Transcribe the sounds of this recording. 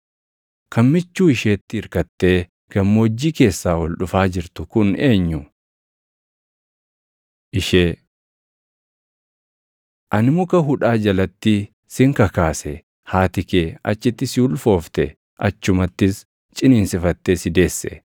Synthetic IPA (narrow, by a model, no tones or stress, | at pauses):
kɐnmɪt͡ʃːuːɪʃeːt̪ːɪɪɾkɐt̪ːe̞ː | ɡ̥ɐmːod͡ʒːiːke̞ːsːaːwɔlᶑʊfaːd͡ʒɪɾt̪ʊkʊneːɲːʊ | ʔɪʃeː | ʔɐnɪmʊkɐɦʊᶑaːd͡ʒɐlɐt̪ːi | sɪŋkɐkaːsɛ | haːt̪ɪkeːɐ̰t͡ʃːɪt̪ːɪsʊlfo̞ːft̪ɛ | ʔɐt͡ʃːʊmɐt̪ːɪs | t͡ʃʼɪniːnsɪfɐt̪ːeːsɪd̪e̞ːsːɛ̰